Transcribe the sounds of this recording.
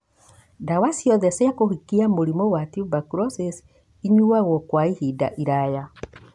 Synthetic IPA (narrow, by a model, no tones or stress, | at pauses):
dawasjɔðɛsɛakohikiamoɾimɔwatiubakuɾɔses | iɲuaɣɔkwaihida̰ʔiɾaja